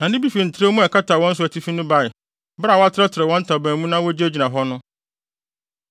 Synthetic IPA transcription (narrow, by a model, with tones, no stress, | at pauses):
nã˨nɪ̃˦bi˦fi˨n̩˨tʰɪ˦ɾa˦mũ˦ɛ˨kʰa˦tʰa˨wɔ̃˦n̩˦sʊ˦æ˨tʰi˦fi˦nʊ̃˦ba˦˨ɪ˨ | bɾa˨wa˦tʰɾɛ˦tʰɪ˨ɾɛ˨wɔ̃˦n̩˦tʰa˨bæ̃ː˨mũ˦nã˦wɔ˦d͡ʑi˦æ˦d͡ʑi˨nã˨ɦɔ˦nʊ̃˦